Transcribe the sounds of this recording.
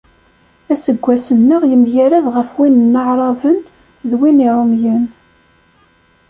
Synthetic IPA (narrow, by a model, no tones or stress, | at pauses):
æsəɡʷːæsənːəʁjəmjæɾæðʁəfwinənːəʕɾˤɑvən | ðwiniɾˤomjən